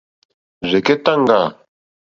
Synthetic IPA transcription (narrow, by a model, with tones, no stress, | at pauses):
zɛ˨ke˦t̪a˦ŋɡa˨